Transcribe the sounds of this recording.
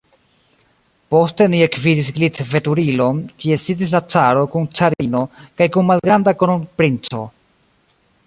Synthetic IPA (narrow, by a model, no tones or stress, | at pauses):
po̞ste̞nie̞kvidisɡlitve̞tuɾilo̞nkie̞sid͡zis̬lat͡saɾo̞kunt͡saɾino̞kajkunmalɡɾandakonpɾint͡so̞̰